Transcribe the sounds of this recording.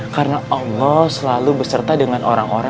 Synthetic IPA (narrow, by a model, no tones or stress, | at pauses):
kaɾənaʔɑlːɔhsəlalubəsərt̪adəŋanʔoɾaŋoɾa